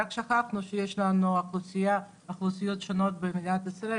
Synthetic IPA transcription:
akʃaχaχnuʃejeʃlanuaχlusijaː | χlusijo̞t̪ʃono̞t̪̚bemid̪at̪isɾae

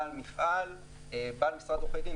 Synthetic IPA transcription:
almiχʔal | ebalmisʁat̪oχeɡi

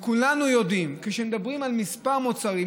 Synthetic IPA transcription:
kulanujo̞d̪imkeʃemed̪abʁimalmispaʁmot͡saʁi

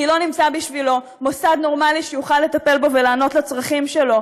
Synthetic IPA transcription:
ilo̞nimt͡sabiʃvilo̞ | mo̞sad̪no̞ʁmaliʃejuχalːe̞t̪ape̞lbo̞velaːno̞t̪lat͡sʁaχimʃe̞lo̞

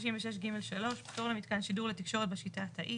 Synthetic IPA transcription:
ʃiɱveʃeʃ̬ɡime̞lʃalo̞ʃbit̪oʁlemit̪kanʃiduʁlet̪ikʃo̞ʁet̚beʃitat̪aʔi

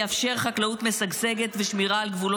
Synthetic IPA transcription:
afʃe̞ʁχaklaut̪mesaɡseɡet̪veʃmiʁaːlɡvulo

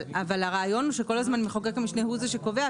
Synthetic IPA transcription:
avalaʁaːjo̞nuʃeko̞lazmanmeχokekamiʃnehuzeʃeko̞ve̞a

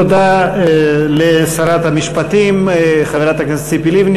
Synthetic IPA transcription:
od̪a | lesaɾat̪hamiʃpat̪imχaveɾat̪aɡent͡sipilivn

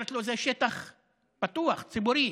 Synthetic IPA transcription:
et̪lozeʃet̪aχ | pat̪uaχt͡sibuɾi

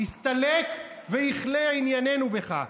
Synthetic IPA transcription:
ist̪alek | vejiχleainjane̞nube̞χa̰

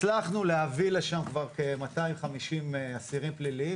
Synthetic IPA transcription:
laχnuleavileʃamkvaʁkemat̪aimχamiʃimeasiʁimplili

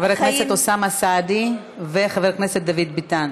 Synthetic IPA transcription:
veʁkneset̪osamasad̪i | veχaveʁkneset̪̚d̪avid̪bit̪an

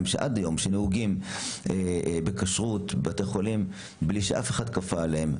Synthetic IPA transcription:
mʃeʔad̪ajo̞mʃenehuɡimʔebekaʃʁutbeateχolim | bliʃeʔafeχad̪kafalehem

